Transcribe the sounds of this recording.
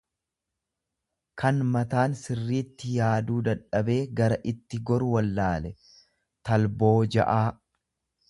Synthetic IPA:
kʰɐnmɐt̪aːnsɪrːiːt̪ːɪjaːd̪uːd̪ɐᶑɐbe̞ːɡɐɾɐʔɪt̪ːɪɡɔɾʊwɐlːaːlɛ | t̪ɐlbo̞ːd͡ʒɐ̰ʔaː

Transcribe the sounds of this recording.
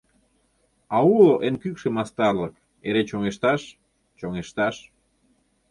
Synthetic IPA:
ɑuoʔenkykʃemɑst̪ɑrlɤk | eɾet͡ɕoŋeʃt̪ɑʃ | t͡ɕoŋeʃt̪ɑʃ

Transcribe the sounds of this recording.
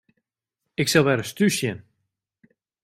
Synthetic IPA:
ɪksɛlˠʋɛɾəstysjən

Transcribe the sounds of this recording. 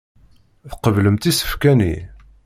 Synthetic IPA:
θqəvləmt̪isə̥fkænḭ

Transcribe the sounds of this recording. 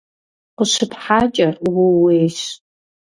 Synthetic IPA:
qəʃɨpħaːt͡ʃʼɐwʊweːʃ

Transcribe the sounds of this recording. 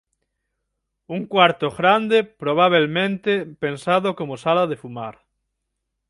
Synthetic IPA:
uŋkwaɾt̪oɣɾand̪epɾoβ̞aβ̞elmẽnt̪epensaðokomosalaðefumaɾ

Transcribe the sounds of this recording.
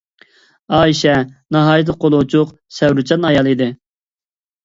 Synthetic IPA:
ɑːiʃɛnɑɦɑːjt̪̬əqolˠʊt͡ʃʰʊq | sɛwɾut͡ʃʰɑnɑjɑlˠid̪ɪ

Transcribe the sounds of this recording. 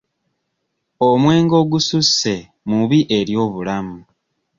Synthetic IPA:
omwe̞ːŋɡo̞ːɡususːe̞ | muβiʔe̞ɾjo̞ːβulamu

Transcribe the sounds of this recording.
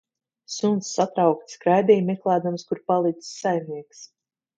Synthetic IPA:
sunt̪sːat̪ɾawkt̪skɾajd̪ʲɛjmɛklˠæːd̪amskuɾpalˠit̪ssajmniɛks

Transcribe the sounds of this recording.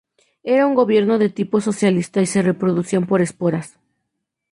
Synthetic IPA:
e̞ɾauŋɡo̞βje̞ɾno̞ðe̞t̪ipo̞so̞sjalist̪aise̞re̞pɾo̞ðusjompo̞ɾe̞spo̞ɾas

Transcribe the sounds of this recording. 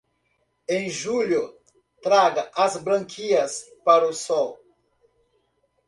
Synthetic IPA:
ẽj̃ʒulʊ | t̪ɾaɡɐʔɐzbɾɐ̃ŋkʰiɐspaɾʊsɔw

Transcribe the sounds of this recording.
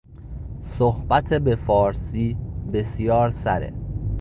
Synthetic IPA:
sohb̥æt̪ʰebefɒːɾsiːbe̞sjɒːɾsæɾḛ

